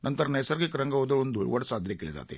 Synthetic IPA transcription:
nʔɐnt̪ɐɾɐnɐjsɐɾɡekɾɐŋɡɐʋod̪ɐond̪uʋɐɽɐsaːd̪ʱjɐkeɭid̪a̰ːt̪ḛ

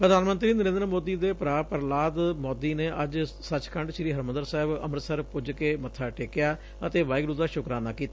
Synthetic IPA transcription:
pɾəd̪ʱaːnmə̃nt̪ɾiːnəɾẽːnd̪əɾmoːd̪iːd̪eːpɾaːpəɾlaːd̪mɔːd̪iːneːʔəd͡ʒsət͡ʃkəɳɖʃɪɾiːɦəɾmənd̪əɾsɛːɪbə̰mɾsəɾpʊd͡ʒkeːmət̪ʰːaːʈeːkɪjaː | ət̪eːʋaːɪɡɾuːd̪aːʃʊkɾaːnaːkiːt̪aː

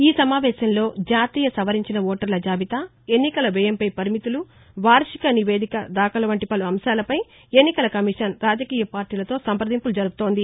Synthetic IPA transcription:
iːsɐmaːʋɛːʃɐmlo̞ːd͡ʒaːt̪iːjɐsɐʋɐɾiɲt͡ʃinɐɔːʈɐɾlɐd͡ʒaːʋit̪ɐ | e̞nːikɐlɐʋɛːjɐmpɐjpɐɾimit̪ulu | ʋaːɾʂikɐniʋe̞ːd̪ikɐd̪aːkɐlɐʋɐɳʈipɐluɐmʃaːlɐpɐj | e̞nːikɐlɐkɐmiʂɐnɾaːd͡ʒɐkiːjɐpaːɾʈiːlɐt̪o̞ːsɐmpɾɐd̪impulud͡ʒɐɾuɡut̪o̞ːnd̪i

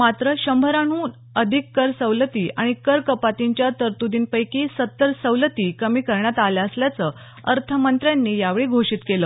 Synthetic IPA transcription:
mat̪ɾəɕəmbʱəɾaɳuːn | əd̪ʱikːəɾsəʋlət̪iːaɽ̃ikəɾkəpat̪iɲt͡ɕjat̪əɾt̪ud̪iːnpəjkisət̪ːəɾsəwlət̪iːkəmiːkəɾɳjat̪aljaəsljat͡sə | əɾt̪ʰəmənt̪ɾjanːiːjaʋɭiːɡʱoʂiːt̪keləː

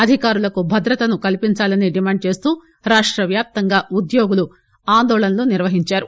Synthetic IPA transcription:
ɐd̪ʱikaːɾulɐkubʱɐd̪ɾɐt̪ɐnukɐlpiɲt͡ʃaːlɐniɖimaːɳɖ̚t͡ʃe̞ːst̪uː | ɾaːʂʈɾɐʋjaːp̚t̪ɐŋɡaːʔud̪joːɡulu | aːnd̪ɔːlɐnɐloːniɾʋɐɦiɲt͡ʃaːɾu

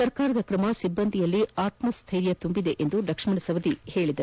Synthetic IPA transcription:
ɐɾkaːɾɐd̪ɐkɾɐmɐsibːɐnd̪ʱijɐlːiaːt̪mɐst̪ʰɐjɾjɐt̪umbid̪e̞ʔend̪ud̪ɐkʂɐmɐɳɐsɐʋɐd̪ihe̞ːɭid̪ɐ

